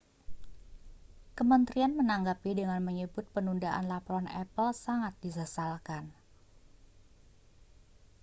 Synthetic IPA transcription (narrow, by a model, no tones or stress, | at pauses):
kəmənt̪ɾianmənaŋɡapidəŋanməɲəbʊt̪̚pənundaʔa̰nlapɾɔnɛ̰pəlsaŋat̪̚disasalkan